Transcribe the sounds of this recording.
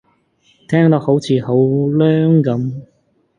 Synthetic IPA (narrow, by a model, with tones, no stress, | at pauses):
t̪ʰɛː˥ŋt̪ɐ˨˥k̚ho˨˥wt͡sʰiː˨˧˥ho˨˥wlœː˥ŋkɐ˨˥m